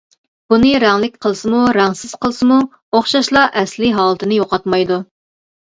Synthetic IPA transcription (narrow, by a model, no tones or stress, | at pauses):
b̥unɨɾæŋlɪk̚ʲqʰəlˠɨsɨmuɾɑŋsɪz̥qʰəlˠɨsɨmu | oχʃɑʃlˠɑʔɛslɪɦɑːlˠət̪ʰɨnɨjoqɑt̪mɑjd̪u